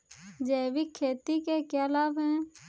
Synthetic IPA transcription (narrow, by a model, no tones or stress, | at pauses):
d͡ʒeːʋikʰːeːt̪ikekaːlaːbɦɛ̃ː